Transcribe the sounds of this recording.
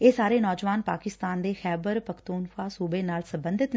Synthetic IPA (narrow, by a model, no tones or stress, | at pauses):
eːsaːɾeːnɔːd͡ʒʋaːnpaːkɪst̪aːnd̪eːxɛːbəɾpəkʰt̪uːnxaːsuːbeːnaːlsəmbənd̪ɪt̪